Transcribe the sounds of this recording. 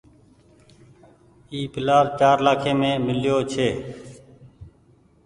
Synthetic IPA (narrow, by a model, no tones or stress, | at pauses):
iːpɪlaːɾt͡ʃaːɾlaːkʰẽːmẽːmɪljoːt͡ʃʰeː